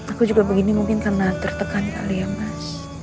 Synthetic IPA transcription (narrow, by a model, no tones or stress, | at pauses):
akud͡ʒuɡabəɡinimuŋkɪnkənat̪ərt̪əkana̰liamas